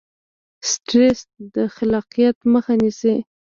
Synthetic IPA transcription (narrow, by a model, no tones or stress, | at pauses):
sʈɾesd̪əxalɑqijat̪məxanisi